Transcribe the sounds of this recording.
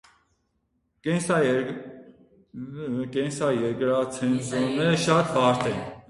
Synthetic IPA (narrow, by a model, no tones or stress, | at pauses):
kɛnsɑjɛɾkɾɑt͡sʰɛnt͡sɔnɛɾəʃɑt̪vɑɾt̪ʰɛn